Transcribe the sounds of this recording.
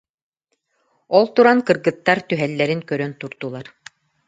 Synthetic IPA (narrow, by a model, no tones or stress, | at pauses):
ɔlˠt̪uɾankɯ̆ɾɡɯt̪ːaɾt̪yɦɛlːɛɾinkœɾœnt̪uɾt̪ulˠaɾ